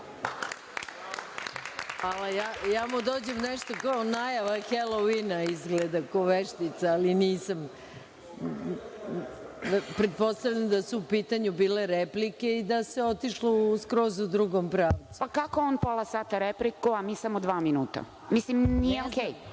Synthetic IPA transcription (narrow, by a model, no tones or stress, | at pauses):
alajajaːmud̪o̞ːd͡ʑemneʃt̪okaonajaʋaxeloʋinaizɡled̪akoʋeʃt̪it̪saːliniːsam | pɾet̪̚po̞st̪aʋʎamd̪asuupiːt̪aɲubiːle̞ɾeplike̞id̪ase̞o̞t̪iʃlouskɾo̞ːzuud̪ɾuɡompɾaːʋt̪upakakoonpolˠasaːt̪aɾeplikuamiːsamod̪ʋaːminuːt̪a̰ | mislimnijeokej